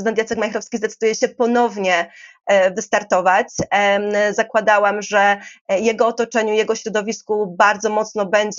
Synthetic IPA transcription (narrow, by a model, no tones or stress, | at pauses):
ɨd̪ɛnt̪jat̪sɛkmajxɾɔfskʲizd̪ɛt̪sɘd̪ujɛɕɛpɔnɔvɲɛ | vɘst̪aɾt̪ɔvat͡ɕ | zakwad̪awamʐɛjɛɡɔːt̪ɔt͡ʂɛɲujɛɡɔɕɾɔd̪ɔvʲiskubaɾd̪zɔmɔt̪snɔbɛɲd͡ʑ